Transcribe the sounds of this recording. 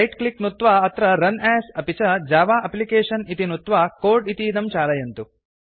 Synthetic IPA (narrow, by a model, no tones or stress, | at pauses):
ɐjʈkliknut̪ʋaːɐt̪ɾɐɾɐnɛːsɐpit͡ʃɐd͡ʒaːʋaːʔɐplikeːʂɐnit̪inut̪ʋaːkoːɾɖit̪iːd̪ɐmt͡ʃaːlɐjɐnt̪u